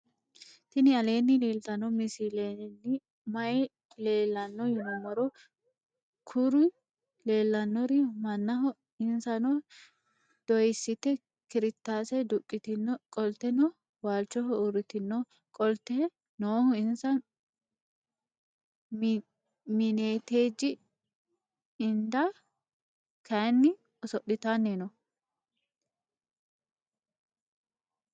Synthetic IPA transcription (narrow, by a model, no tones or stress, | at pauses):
t̪ɪnɪɐle̞ːnːɪliːlt̪ɐnɔmɪsilenːɪ | mɐɛ | leːlːɐnːɔjʊnɔmɐɾɔ | kʰʊɾʊ | leːlːɐnːɔɾɪmɐnːɐɦɔ | ɪnsɐnɔ | d̪̥ɔjɪsːɪt̪ːɛ | kɪɾɪt̪ːaːsɛd̪ʊkʼːɪt̪ɪnkʼɔlt̪ːɛnɔ | waːlt͡ʃːɔɦɔʊɾɪt̪ɪnːo | kʼɔlt̪ɛ | noːhʊɪnsɐn | mɪneːt̪eːd͡ʒːɪ | ɪnd̪a | kʰɐnːɪ | ɔsɔɗːɪt̪anːenɔ